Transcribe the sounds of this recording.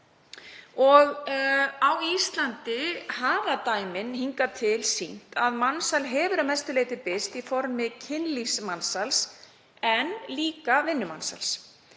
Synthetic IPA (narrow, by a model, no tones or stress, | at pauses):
ɔɣ | awist̪lant̪ɪhaːvat̪aːjmɪnhiŋkat̪ʰɪlsin̥t̪aðmansalɦɛːvʏɾamɛst̪ʏleːjt̪ɪpɪst̪ifɔɾmɪcʰɪnlismansals | ɛnliːkavɪnːʏmansa̰ls